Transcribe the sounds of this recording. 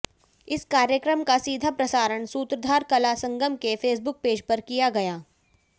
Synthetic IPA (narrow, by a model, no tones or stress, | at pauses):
ɪskaːɾjəkɾəmkasiːd̪ʱapɾɐsaːɾəɳ̃suːt̪ɾəd̪ʱaːɾkɐlasɐ̃ŋɡəmkefʰeːs̬bʊk̚peːd͡ʒpɐɾkijaɡɐjaː